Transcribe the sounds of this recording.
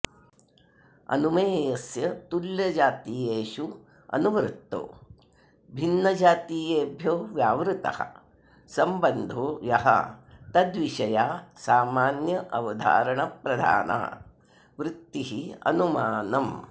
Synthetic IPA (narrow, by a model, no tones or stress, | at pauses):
ɐ̰numeːjɐsjɐt̪uljɐd͡ʒaːt̪iːjeːʃu | ɐ̰nuʋɾɪt̪ːo̰ː | bʱinːɐd͡ʒaːt̪iːjeːbʱjoːʋjaːʋɾut̪ɐ̰hɐ̰ | sɐmbɐnd̪ʱoːjɐɦɐ̰t̪ɐd̪ʋiʃɐjaːsaːmaːnjɐʔɐʋɐd̪ʱa̰ːɾɐɳɐpɾɐd̪ʱa̰ːnʔɐ̰ɐ̰ | ʋɾut̪ːiɦiɐ̰numaːnɐm